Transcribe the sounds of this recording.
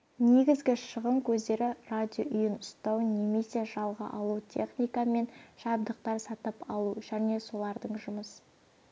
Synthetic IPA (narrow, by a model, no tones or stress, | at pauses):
ne̞ɡʲɪzɡʲɪʃəʁəmkʲʰɵzd̪e̞ɾɪrad̪ʲoʔʊjənʊst̪ɑwne̞me̞se̞ʒɑlˠʁə̰ʔɑlˠut̪ʲʰe̞̰χnijkɑme̞nʒ̥ɑb̚d̪əq̚t̪ɑɾsɑt̪əpɑlˠuʒæne̞so̞lˠɑɾd̪əɴʒʊməs